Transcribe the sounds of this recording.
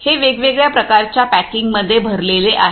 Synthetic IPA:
heʋeɡʋeɡɭjapɾəkaɾt͡ɕjapækiŋɡməd̪ʱːjebʱəɾleleʔa̰ɦ

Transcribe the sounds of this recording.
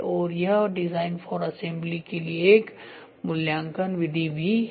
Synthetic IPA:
ʔoːɾjaɖɪzaːɪnfɔːɾɐsẽmblikelieeːk | mʊljãːŋkənʋɪd̪ʱibʱi

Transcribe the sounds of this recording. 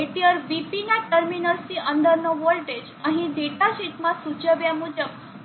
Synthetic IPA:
eʈiəɾʋipinjaʈəɾminəɾsiʔənd̪ʱəɾnɔʋolʈed͡ʑ | ãɦid̪eʈaɕit̪masud͡ʑəʋjamud͡ʑəb̚

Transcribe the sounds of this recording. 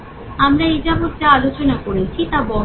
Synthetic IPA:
amɾaid͡ʑabot̪̚d͡ʑaalot͡ɕonakoɾet͡ɕʰit̪abɔ

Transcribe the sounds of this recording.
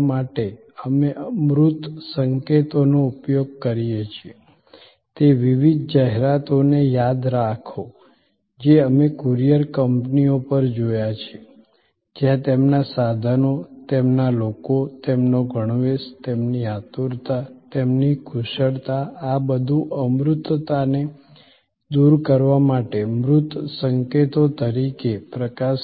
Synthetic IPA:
maʈe | əmeʔəmɾut̪səŋket̪onoupjoɡ̚kəɾijet͡ʃʰie | t̪eʋiʋid̪̚ʱd͡ʒaɦeɾat̪onejad̪ɾakʰo | d͡ʒeəmekuɾijəɾkəmpniopəɾd͡ʒojat͡ʃʰe | d͡ʒjãt̪emnasad̪ʱənot̪emnalokot̪emnoɡʱəɽ̃ʋest̪emniat̪uɾt̪at̪emnikʰuʃəɽt̪aːbəd̪ʱuʔəmɾʊt̪ːt̪ane | d̪uɾkəɾʋamaʈemɾʊt̪səŋket̪ot̪əɾikepɾəkaʃ

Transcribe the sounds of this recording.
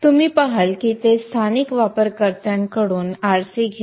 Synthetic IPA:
t̪um̤iːpaɦalkiːt̪est̪ʰanikʋapəɾkəɾt̪jaŋkəɽuːnaɾsiːɡʱe

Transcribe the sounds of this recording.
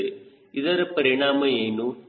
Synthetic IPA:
e | iðɐɾɐpɐɾiɳaːmɐeːnu

